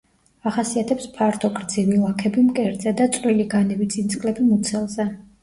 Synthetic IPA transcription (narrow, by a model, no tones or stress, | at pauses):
aχasiat̪ʰɛpspʰaɾt̪ʰɔkʼɾd̪zivilˠakʰɛbimkʼɛɾd̪zɛd̪at̪sʼvɾiliɡanɛbit̪sʼint̪sʰʼkʼlɛbimut̪sʰɛlˠzɛ